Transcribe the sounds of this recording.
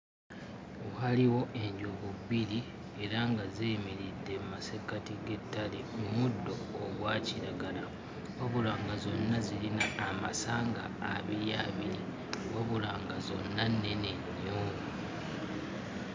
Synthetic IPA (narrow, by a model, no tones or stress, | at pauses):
ohaliwo̞ʔe̞ɲɟuβuβiɾi | e̞ɾaŋɡazemiɾidːe̞mmasekatiɡe̞tːalemumudːo̞ːɡwaːciɾaɡala | oβulaːŋɡazo̞nːazilinaːma̰saːŋɡa̰ːβiɾija̰βiɾi | woβulaːŋɡazo̞̰nːanːe̞neɲːuŋu